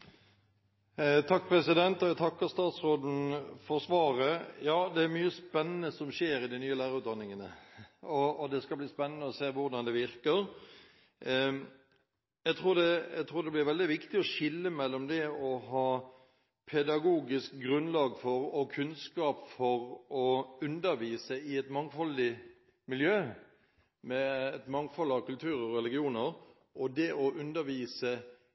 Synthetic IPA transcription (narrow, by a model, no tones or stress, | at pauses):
t̪ʰɑk̚ːpʰɾɛsɪd̪ɛnt̪ɔæt̪ʰɑkːəɾst̪ɑːt̪sɾoːd̪n̩fɔɾsʋɑːɾəjɑːd̪ɛæɾmyːəspɛnːənəsɔmʃeːɾɪd̪ɪnyːəlæːɾəʉːt̪d̪ɑnːɪŋənəɔːd̪ɛskɑbliːspɛnːənəɔseːʋʊɾd̪ɑnd̪ɛʋɪɾkəɾ | jæɡt̪ʰɾuːɾd̪ɛæɡt̪ʰɾuːɾd̪ɛblɪɾʋɛld̪ɪʋɪkt̪ɪɔʃɪlːəmɛlːɔmd̪ɛɔɦɑː | pʰɛd̪ɑɡuːɡɪsk̚ɡɾʉnlɑːɡfɔɾɔkʰʉnskɑːpfɔɾɔʉnd̪əɾʋiːsəɪɛt̪mɑŋfɔlɪ | mɪljøː | mɛɛt̪mɑŋfɔlɑʋkʉlt̪ʰʉːɾɔɔɾɛlɪɡɪuːnəɾ | ʔɔd̪ɛʔɔʔʉnd̪əɾʋiːsə